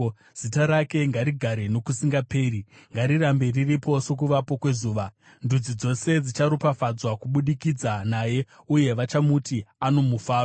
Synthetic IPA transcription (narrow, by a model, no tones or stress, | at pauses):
z̥itaɾake̞ŋɡaɾiɡʱaɾe̞no̞kusiŋɡape̞ːɾiŋɡaɾirambe̞riripo̞so̞k̬uʋapo̞kwe̞zuːʋa | ndud͡zid͡zo̞se̞d͡zit͡ʃaɾupafad͡zwakuɓuɗikid͡zanaːje̞ | uje̞ʋat͡ʃamutiano̞mufaːro